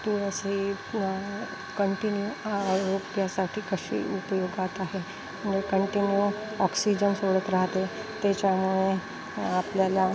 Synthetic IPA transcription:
t̪uɾəsi | kəɳʈinjuaəɾopjasaʈʰiːkəʃḭːupəjoɡat̪aɦe | məɳd͡ʑekəɳʈinju | ɔksid͡ʑənsoɽət̪ɾaɦt̪et̪et͡ɕamuɭe | apljala

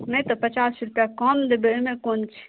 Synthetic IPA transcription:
mẽt̪ɔpət͡ʃaːsɾpjakɔmd̪ebemẽkont͡ʃʰ

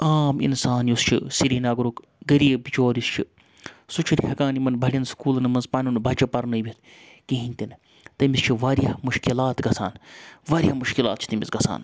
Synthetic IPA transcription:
aːmḭnsaːnjust͡ʃʰḭsiɾiːnaːɡɾuk | ɡɐɾibit͡ʃoːɾist͡ʃʰi | sut͡ʃʰuɾʲhɐkaːnimɐnbʱɐɽʲɐnskuːlnɨmɐnzpaːnʲunbɐt͡ʃɐpɐɾnɨʋʲit̪ʰ | keɦinʲt̪in | t̪ɐmist͡ʃʰiʋaːɾiɐmuʃkilaːt̪ɡɐsa̰ːnʋaːɾʲjɐmuʃkila̰ːt̪̚t͡ʃʰi̥t̪ɐmʲisɡɐsa̰ːn

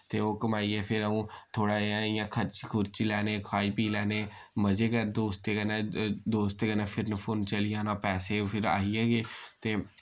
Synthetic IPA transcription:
t̪eːoːkəmaːiːɛːpʰɪɾəũːt̪ʰoːɽaːãːijãːkʰəɾt͡ʃikʰʊɾt͡ʃiːlɛːneːkʰaːiːpiːlɛːneː | məzeːkəɾd̪oːst̪eːkənaːd̪oːst̪eːɡənãːpʰɪɾnəpʰont͡ʃəlɪjãːnãːpɛːseːopʰɪɾa̰ːiːɛːɡeːt̪eː

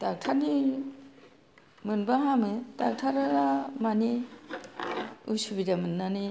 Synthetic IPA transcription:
dak̚tʰani | mɯnbaɦamɯdak̚tʰaɾaɾamani | usubidamɯnːani

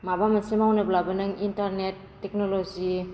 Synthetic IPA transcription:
mabamasemawnɯblabɯnɯŋintaɾnetːek̚nolod͡ʒi

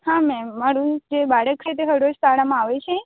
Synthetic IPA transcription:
hãmɛ̃maɾũd͡ʒebaɽək̚t͡ʃʰet̪eɦəɾod͡ʒt̪aɽamãaʋet͡ʃʰe

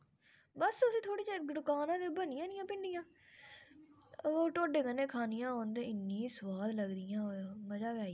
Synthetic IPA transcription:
bəsʊsĩːt̪ʰoːɽiːt͡ʃeːɖ̪ʊkaːnãːd̪eːbənɪjãːnɪjãːpɪ̃nd̪ɪjãː | oːʈoːɖeːkənẽːkʰaːnɪjãːoːnd̪ẽːɪnːĩːsʊwaːd̪ləɡd̪ɪjãːoməd͡ʒaːɡɛːi

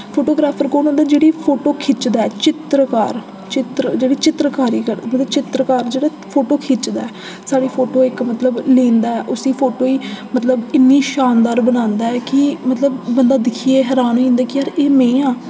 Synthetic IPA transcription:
pʰoːʈoːɡɾaːpʰəɾkoːnãːnd̪aːd͡ʒeːɽiːpʰoːʈoːkʰɪt͡ʃd̪aːɛːt͡ʃɪt̪ɾəka̰ːɾ | t͡ʃɪt̪ɾd͡ʒeːɽiːt͡ʃɪt̪ɾəkaːɾiːkəɾd̪mət̪ləbt͡ʃɪt̪ɾəkaːɾd͡ʒeːɽaː | pʰoːʈoːkʰɪt͡ʃd̪a̰ːɛː | saːɽiːpʰoːʈoːɪkmət̪ləblẽːnd̪aːɛːʔʊsiːpʰoːʈoːiːmət̪ləbɪnːiːʃaːnd̪aːɾbənãːnd̪aːɛːkɪmət̪ləbːənd̪aːd̪ɪkʰieːɦɛːɾaːnoĩnd̪aːkɪəɾeːmẽːãː

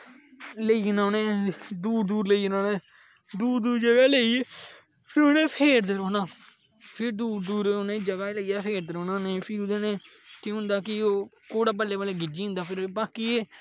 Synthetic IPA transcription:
ləiːnaːnẽːd̪uːɾd̪uːɾləiːnaːnẽː | d̪uːɾd̪uːɾd͡ʒəɡaːleieː | pʰɪɾʊnẽːpʰeːɾd̪eɾoːnaː | pʰɪɾd̪uːɾd̪uːɾoːnẽːd͡ʒəɡaːləijaːpʰeːɾd̪eɾoːnaːneːpʰɪʊd̪eneː | kɪɦʊ̃nd̪aːkɪoːkoːɽaːbəleːbəleːɡɪd͡ʒiːɦʊ̃nd̪aːpʰɪɾbaːkieː

